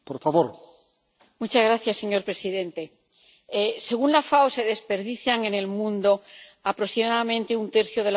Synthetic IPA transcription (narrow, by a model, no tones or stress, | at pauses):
poɾfaβoɾ | mut͡ʃazɣɾaθjasːe̞ɲo̞ɾpɾe̞siðẽ̞nt̪e̞ | se̞ɣ̞unlafawse̞ðe̞spe̞ɾðiθjaŋe̞ne̞lmũnd̪o̞apɾosimaðamẽ̞nt̪e̞unt̪e̞ɾθjo̞ðe̞l